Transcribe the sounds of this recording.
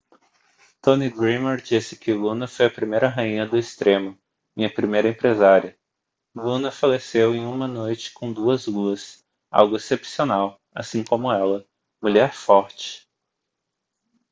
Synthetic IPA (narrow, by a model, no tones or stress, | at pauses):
t̪õniɡɾĩmeɾd͡ʒisɪ̥kɪlũnɐfojɐpɾimejɾɐɦaĩɲɐd̪ʊest̪ɾʔẽmʊ | ĩɲɐpɾimejɾɐẽpɾezaɾiɐ | lũnɐfalesewẽj̃ũmɐnojt͡ʃɪ̥kõw̃d̪uɐzluɐs | a̰wɡʊesepsionaw | a̰sĩkõmʊɛlɐ | muʎɛɾfɔɾt͡ʃɪ̥